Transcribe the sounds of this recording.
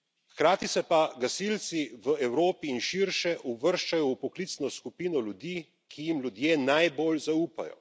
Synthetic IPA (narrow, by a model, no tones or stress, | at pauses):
xkɾaːt̪isɛpaɡasilt̪siʋəɛwɾoːpiːnʃiɾʃɛʔuʋəɾʃt͡ʃajɔupɔklit̪snɔskupiːnɔlʲjud̪iː | kʰijimlʲud̪jeːnajboːlzauːpa̰jɔ̰